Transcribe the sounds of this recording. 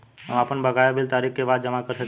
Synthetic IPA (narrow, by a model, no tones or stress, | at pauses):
ɦəmapənbʱəɡaːjobɪlt̪aːɾikkːebaːt̪̚d͡ʒəmakəɾsək